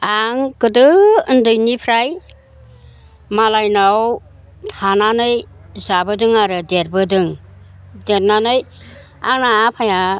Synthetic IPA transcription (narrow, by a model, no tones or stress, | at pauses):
aŋkɯdɯndɯjnipʰɾaj | malajnaw | tʰananɯjzabɯdɯŋaɾɯdeɾbɯdɯŋ | deɾnanɯj | a̰napʰaja